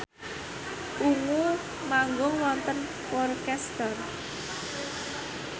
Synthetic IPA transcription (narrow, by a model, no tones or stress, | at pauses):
ʔuŋu | maŋɡʊŋwɔnt̪ən | pɔrkɛst̪ɔr